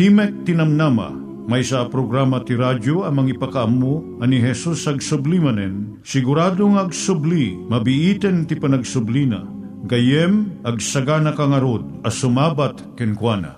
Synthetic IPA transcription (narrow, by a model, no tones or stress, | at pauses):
t̪imɛk̚t̪inɐmnamɐ̰ | mɐjsaapɾoɡɾamɐt̪iɾadoɐmɐŋipɐkaʔɐmːo | ɐniɦɛsusɐɡsʊblimɐnɛn | sɪɡʊɾaːd̪oŋɐɡsʊblimɐbiʔit̪ɛnt̪ipɐnɐɡsʊblina̰ | ɡɐjɛmʔɐɡsɐɡanɐkaŋɐɾod̪̚ɐsʊmaːbat̪kɛnkwanɐ̰